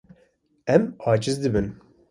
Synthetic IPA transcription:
ɛmɑːd͡ʒɨzd̪ɨbɨn

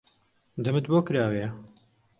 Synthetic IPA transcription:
d̪ɐmɨt̪boːkɾaːwe

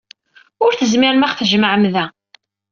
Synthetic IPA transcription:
ʊɾθəzmɪɾmaχθəʒəməʕəmðæ

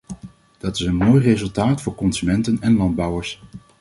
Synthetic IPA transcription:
d̥ɑtɪsənmoːjrezɵlˠtaːtfʊːɹkɔnsymɛntənɛnlɑnd̚bɑwəɹs

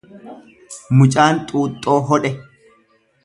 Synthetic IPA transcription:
mʊt͡ʃʼaːnt̪ʼuːt̪ʼːo̞ːɦɔᶑɛ

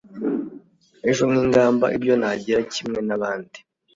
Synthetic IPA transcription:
eʒo̞ŋŋiːŋɡaːmba̰ʔibjo̞naɟiɾacimŋe̞naβaːndi̥

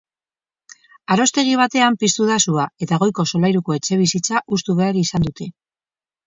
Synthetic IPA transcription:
aɾo̞st̪e̞ɣ̞iβ̞at̪e̞ampist̪uðasuae̞t̪aɣ̞o̞jko̞so̞lajɾuko̞e̞t͡ʃe̞β̞isit͡saʔust̪uβ̞e̞aɾiːsand̪ut̪e̞

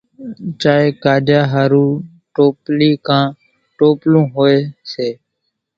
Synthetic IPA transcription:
t͡ʃaːɦeːkaːd͡ʒjaːɦaːɾũː | ʈoːpliːkãː | ʈoːplũːɦoːeːseː

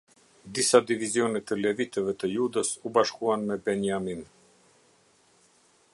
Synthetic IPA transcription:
d̪isad̪ivizjɔnɛt̪əlɛvit̪əvɛt̪əjud̪əsubaʃkuanmɛbɛnjamin

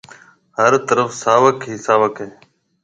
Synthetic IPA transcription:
həɾt̪əɾəfsaːʋəkɦiːsaːʋəkɦeː

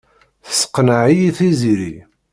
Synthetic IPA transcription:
θə̥sə̥qːnəʕijiθiziɾi

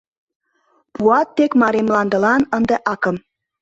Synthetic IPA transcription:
puɑt̪ːekmɑɾemlɑnd̪ə̆lɑnənd̪eʔɑkə̆m

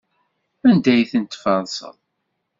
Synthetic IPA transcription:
ænd̪æjθənt̪fɑðˤsə̰ðˤ

